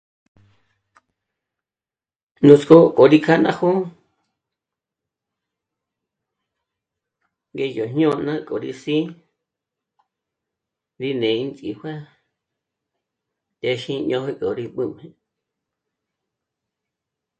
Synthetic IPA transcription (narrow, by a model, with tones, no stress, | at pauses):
nũ˨t͡sko˦kʼo˨ɾi˧kʰa˦nã˦ho˦ | ŋɡe˦jo˨ɲɲõ˦nã˦kʼo˨ɾḭ˧sĩ˦ | ɾi˦nẽ˨i˧˦nt͡sʼi˨hwʷa˦ | t̪e˧ʃĩ˦ɲõ˧he˦kʼo˨ɾi˧ɓɨ˦mhẽ˧